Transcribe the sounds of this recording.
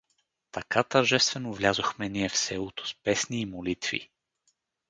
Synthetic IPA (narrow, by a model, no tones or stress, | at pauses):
t̪ɐkat̪ɐɾʒɛst̪vɛnovlʲazoxmɛniɛfsɛlˠot̪o̥spɛsniːmolit̪vḭ